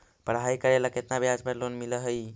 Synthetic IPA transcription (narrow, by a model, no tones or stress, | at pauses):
pəɾɦajkəɾeləket̪nabjad͡ʒpəɾlonmiləɦəj